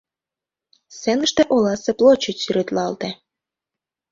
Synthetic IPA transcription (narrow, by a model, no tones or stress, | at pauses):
senəʃt̪eʔolɑseplot͡ɕəsyɾet̪lɑlt̪e